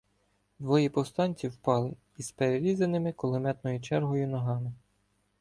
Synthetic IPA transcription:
d̪ʋɔjipɔst̪ɑnʲt͡sʲiwpɑlˠɪ | ispeɾeɾʲizenɪmɪkɔlˠɪmɛt̪nɔjʊt͡ʃɛrɦɔjʊnɔɦɑmɪ

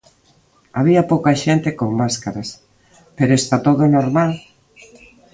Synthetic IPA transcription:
aβiɐpowkaʃent̪ekoŋmaskaɾas | peɾoest̪at̪oðonoɾmal

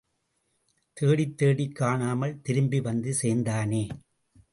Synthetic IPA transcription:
t̪eːɽɪt̪ːeːɽɪkːaːɳaːmɐɭt̪ɪɾɯmbiʋɐnd̪ɯseːnd̪aːneː

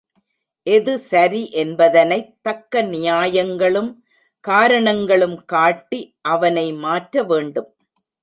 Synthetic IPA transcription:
ʔɛðɯsɐɾiʔɛnbɐðɐnɐɪt̪ːɐkːɐnɪjaːjɐŋɡɐɭɯm | kaːɾɐɳɐŋɡɐɭɯmkaːʈːiʔɐʋɐnɐɪmaːʈɾɐʋeːɳɖɯm

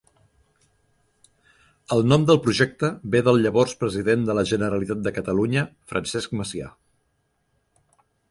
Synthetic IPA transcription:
əlˠnɔmd̪əlˠpɾuʒɛk̚t̪əbeðəlˠʎəβɔrspɾəziðend̪ələʒənəɾəlit̪at̪̚d̪əkət̪əluɲəfɾʔənsɛskməsia̰

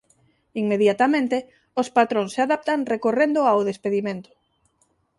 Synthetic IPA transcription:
iŋmeðjat̪amẽnt̪e | ospat̪ɾõnsaðap̚t̪aŋrekorend̪ʊawð̞espeðimẽnt̪ʊ̥

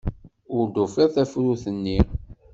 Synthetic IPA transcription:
ʊɾd̪ufæɾθæfɾuθənːi

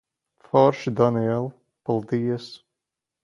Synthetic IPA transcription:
fɔɾʃd̪ɔniɛlˠ | pɔlˠd̪iːəs

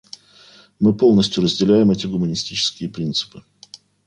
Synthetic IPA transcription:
mɨpo̞lˠnəsʲtʲjʊɾəzʲdʲɪlʲæjɪmɛtʲɪɡʊmənʲɪsʲtʲit͡ɕɪ̥skʲɪjəpɾʲint̪sɨ̥pɨ

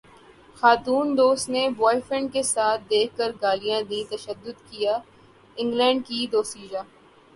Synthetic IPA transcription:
xaːt̪uːnd̪oːst̪nebɔːɪfɾɪ̃ɳɖ̚kesaːt̪̚ʰd̪eːkʰːəɾɡaːlijãd̪ĩt̪ɐʃəd̪ːʊd̪kijaː | ɪ̃ŋɡlɛ̃ːɳɖkid̪oːsiːd͡ʒaː

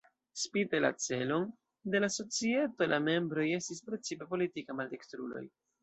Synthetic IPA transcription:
spitela̰t͡se̞lo̞n | de̞laso̞t͡sie̞to̞lʔame̞mbɾo̞je̞stis̬pɾe̞t͡sipe̞po̞litikamalte̞kstɾṵlo̰j

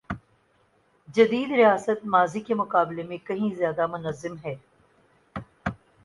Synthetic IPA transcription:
d͡ʒɐd̪iːd̪ɾɪjaːsət̪̚maːzikemʊkaːblemẽkɐɦĩzjaːd̪amʊnəzːɪmɦɛː

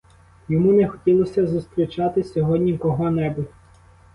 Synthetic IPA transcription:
jɔmunɛxɔtʲilˠɔsʲɐzʊst̪ɾʲit͡ʃɑt̪ɪsʲɔɦɔdʲnʲikɔɦɔnɛbʊtʲ

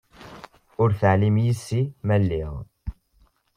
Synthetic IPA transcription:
ʊɾθəʕlimjisːimælːiʁ

